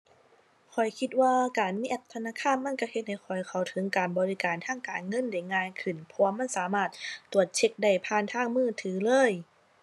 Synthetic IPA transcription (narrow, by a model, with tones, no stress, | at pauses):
kʰɔ˨˩jkʰi˧t̪̚waː˧kaː˨˩nmiː˧˥˨ʔa˧˩p̚t̪ʰa˧naː˧˥˨kʰaː˧˥˨nma˧˥˨nka˧˩he˧t̪̚ha˨˩jkʰɔ˨˩jkʰa˨˩wt̪ʰɤ˨˦ŋkaː˨nbɔː˨˧li˧kaː˨nt̪ʰaː˧˥˨ŋkaː˨˩nŋɤ˧˥˨nda˧˩jŋaː˧˨jkʰɯ˧˩npʰɔː˧ɐma˧˥˨nsaː˨˦maː˧˩t̪̚ːu˨˩ət̪̚t͡ɕʰe˧k̚da˧˩jpʰaː˧˥˨nt̪ʰaː˧˥˩ŋmɯː˧˥˩t̪ʰɯː˨˩˦lɤː˧˥˨j